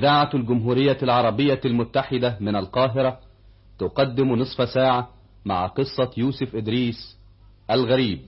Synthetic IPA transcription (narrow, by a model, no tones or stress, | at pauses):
ʔɪd̪aːʕalɡʊmɦuːɾɪjːalʕɑɾˤɑbɪjːalmʊt̪ːaħɪd̪amɪnalqɑːɦɪɾˤɑ | t̪ʊqɑd̪ːɪmnɨsˤfsaːʕa | ma̰ʕaqɨsˤːɑjuːsʊfʔɪd̪ɾiːs | ʔalɣæɾiːb̚